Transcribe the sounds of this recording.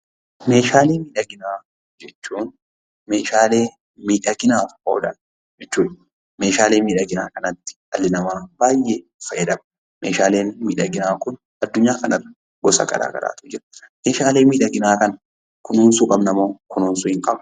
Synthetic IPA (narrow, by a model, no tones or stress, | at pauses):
me̞ːʃaːleːmiːᶑɐɡɪnaː | d͡ʒɛt͡ʃːuːn | me̞ːʃaːle̞ː | miːᶑɐɡɪnaːt̪ʊ̥ho̰ːdɐn | d͡ʒɛt͡ʃːuːᶑ | me̞ːʃaːle̞ːmiːᶑɐɡɪnaːkɐnɐt̪ːɪ̥ɐlːɪnɐmaːbaːjʔefɐjɛd̪ɐm | meːʃaːle̞ːnmiːᶑɐɡɪnaːkʊn | ɐd̪ːʊɲːaːkɐnɐr | ɡɔsɐ̰kʼɐ̰ɾa̰ːɡɐ̰la̰ːt̪ʊ̥d͡ʒɪɾɐ | me̞ːʃaːleːnmiːᶑɐɡɪnaːkɐn | kʊnuːnsʊkʼɐbnɐmoːkʊnuːnsʊɪŋkʼɐb